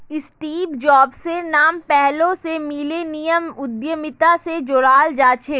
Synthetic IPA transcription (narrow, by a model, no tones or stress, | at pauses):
ɪsʈiːbd͡ʒɔːbsenaːmpɛɦlõsemiːlenijəmʊd̪jəmɪt̪ased͡ʒoːɽaːld͡ʒaːt͡ʃʰeː